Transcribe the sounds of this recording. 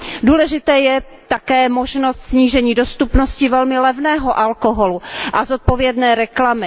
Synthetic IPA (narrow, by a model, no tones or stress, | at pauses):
duːlɛʒɪt̪ɛːjɛ | t̪akɛːmoʒnost̪sɲiːʒɛɲiːdost̪upnoscɪvɛlmɪlɛvnɛːɦoʔalkoɦoluʔazot̪̚povjɛdnɛːɾɛklamɪ